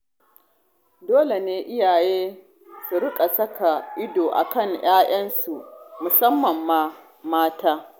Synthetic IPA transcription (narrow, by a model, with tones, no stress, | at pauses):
doː˦le˨neː˦ʔɪ˦jaː˨jeː˦ | su˨ɽɪ˦kʼa˨sɐ˦ka˨ʔɪ˦doː˨ʔa̰˨kɐ˦˨ŋj̰aː˦j̰ɐ˦nsu˨mʊ˨sɐ˦mːɐ˨mːaː˦ | maː˦taː˦